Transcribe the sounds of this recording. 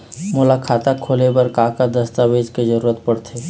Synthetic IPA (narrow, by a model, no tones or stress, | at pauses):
mʊlakʰaːt̪akʰoːlebəɾkaːkad̪əst̪aʋeːd͡ʒked͡ʒəɾuːɾət̪̚pəɽt̪ʰe